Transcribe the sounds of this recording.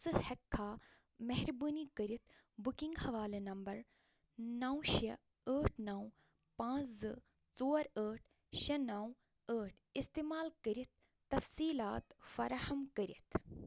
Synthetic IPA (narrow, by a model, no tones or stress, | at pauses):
sɨhɐkʰːaː | mɛɦɾbuːnikəɾit̪ʰbukiŋɡhɐʋaːlenɐmbɐɾ | nɐwʃɐ | əːʈʰnɐw | pãːt͡szɨ | t͡soːɾəːʈʰ | ʃɐnɐw | əːʈʰist̪eːmaːlkəɾit̪̚ː | ɐfsiːlaːt̪fɐɾahɐmkəɾit̪ʰ